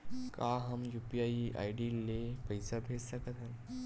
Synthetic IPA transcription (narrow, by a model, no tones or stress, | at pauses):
kaːɦəmjuːpijaːiʔa̰ːɪɖilepɐɪsabʱeːd͡ʒsəkət̪ɦə̃n